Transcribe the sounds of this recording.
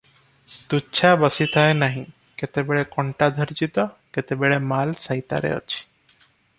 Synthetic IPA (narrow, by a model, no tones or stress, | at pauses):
t̪uːt͡ʃʰabɔsit̪ʰaenaɦĩ | ket̪ebeɭekɔɳʈad̪ʱɔɾd͡ʒit̪ɔket̪ebeɭɛmalsajt̪a̰ɾḛɔ̰t͡ʃʰi̥